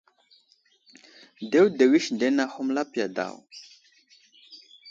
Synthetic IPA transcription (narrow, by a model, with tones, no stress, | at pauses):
de˦wde˨wi˦ʃnde˦na˦hmla˦pja˨da̰˨w